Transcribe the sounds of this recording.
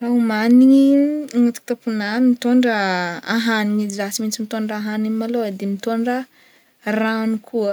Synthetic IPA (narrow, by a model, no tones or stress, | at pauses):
raumaniiŋut̪u̥t̪apunamit̪oɳɖ͡ʐəaɦaniŋizat͡simint͡simit̪oɳɖ͡ʐaaɦaniimalod̪emit̪oɳɖ͡ʐə | ranukʰuə